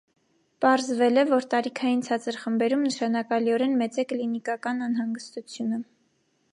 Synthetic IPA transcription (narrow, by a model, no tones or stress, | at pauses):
pɑɾzvɛlɛvɔɾt̪ɑɾikʰɑjint͡sʰɑt͡səɾχəmbɛɾumnəʃɑnɑkɑliɔɾɛnmɛt͡sɛklinikɑkɑnɑnɦɑŋɡəst̪ut͡sʰjunə